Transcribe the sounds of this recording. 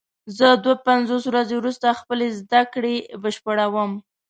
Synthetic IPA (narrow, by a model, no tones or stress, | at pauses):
zəd̪wapanzoswɾazewɾust̪axpəlezd̪akɽebəʃpəɽawəm